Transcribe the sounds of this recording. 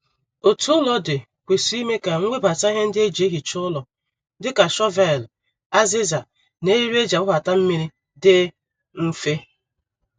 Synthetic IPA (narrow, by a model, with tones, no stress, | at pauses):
o˨tu˦ʊ˦lɔ˦dɪ˨ | kʷe˨si˦i˦me˦ka˨ŋ̩˦ŋʷe˦ba˨ta˦ɦe˦n̩˦dɪ˦e˦d͡ʒe˦ɦi˨t͡ʃʊ˦lɔ˨ | dɪ˦ka˨ʃɔ˦va˦˨l | a˦zi˦za˨ | ne˦i˦ɾu˦e˦d͡ʒa˨ʊ˦ɦa˨ta˦m̩˦mi˦ɾi˦ | dɪ˦ | m̩˦fe˦